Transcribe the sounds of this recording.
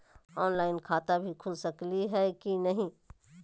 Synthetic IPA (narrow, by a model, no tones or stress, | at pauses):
ɔːnlaːɪnkʰaːt̪abʱikʰʊlsəkliɦɛkinɐɦĩː